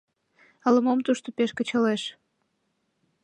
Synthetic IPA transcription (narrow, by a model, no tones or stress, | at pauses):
ələmomt̪uʃt̪opeʃkət͡ɕəleʃ